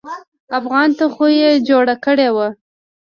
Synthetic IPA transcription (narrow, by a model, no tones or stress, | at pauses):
afɣɑnt̪axojed͡ʒoɽakəɽewa